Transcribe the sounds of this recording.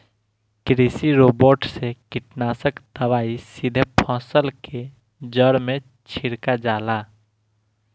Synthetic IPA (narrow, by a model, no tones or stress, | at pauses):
kɾisiɾoːboːʈsekɪʈnaːsəkd̪əʋaːisɪd̪ʱəpʰɔ̃ːsəlkʰe | d͡ʒəɽmẽ | t͡ʃʰɪɾkad͡ʒaːlaː